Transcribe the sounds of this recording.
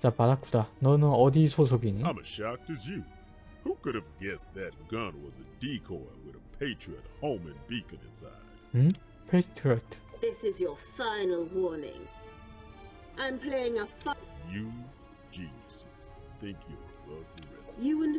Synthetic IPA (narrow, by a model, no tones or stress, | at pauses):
zaːbaɾakɯ̥t̪anonood̪ʲiːsos̬ok̬ʲiɲiãɪ̃mɨʃɑk̚tɨzjʉ | hukʊɾɨvɡɛsðɨt̚ɡ̥ʌ̃nwʌzɨdikʰɔɪwɨðəpʰeɪt͡ʃɹ̥iɨt̚hõʊ̃mɨ̃nbikɨ̃nɨ̰tsa̰ɪ̃ | pʰetʰɹiot | ðɪsɪzjə˞fãɪ̃nl̩ˠwɔɹnɪ̰̃ŋ | ʔãɪ̃mpʰl̥eɪɪ̃ŋəfajɨ | d͡ʒĩnɨsɨsθæ̃ŋkʰjɨwodɨɪjɨə̃n